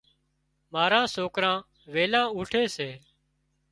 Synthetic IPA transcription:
maːɾãːsoːkɾãː | ʋeːlãːuːʈʰeːseː

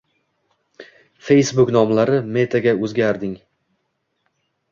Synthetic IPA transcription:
fe̞jsbʊknɒmlaɾɪme̞t̪ʰaɡʲaɵzɡʲaɾd̪ɪŋ

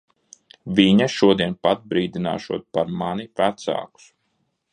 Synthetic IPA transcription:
vʲiɲaʃuɔd̪iɛnpat̪̚bɾiːd̪ina̰ːʃuɔt̪̚paɾmanipɾat̪sa̰ːku̥s

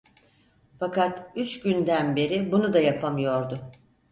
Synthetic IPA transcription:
fakat̪yt͡ʃɟynd̪ænbe̞ɾɪbunud̪ajapʰamɯjo̞ɾd̪ʊ

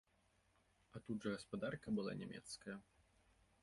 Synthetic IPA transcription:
ɐt̪ud̪ʐɐɣɐspad̪arkɐbɨlˠa̰nʲɛmʲɛ̰t̪skɐjɐ

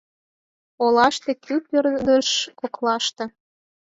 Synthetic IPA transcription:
olɑʃt̪ĕkʰypørd̪əʃkoklɑʃt̪ɤ̆

